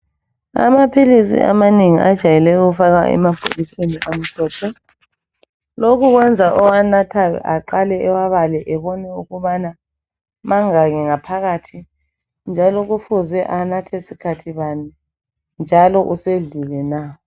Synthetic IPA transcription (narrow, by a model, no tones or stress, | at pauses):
a̰mapʰilisḭʔa̰maneŋiʔad̥ʒ̥ʱajɛlɛjɔɣufaɣa̰ʔɛ̰mapʰo̰liseniʔam̩tʰɔːtʰɔ | lokʰuɣwɛnd͡zʱaʔɔwanatʰaa̰ǃalɛɛwaβalɛʔɛβɔnɛuɣuβana | maŋaɣɛŋapʰaɣatʰi | nd͡ʒʱalɔɣufuzɛʔanatʰɛsikʰatʰiβanɛ | nd͡ʒʱalɔʔuseɮilɛna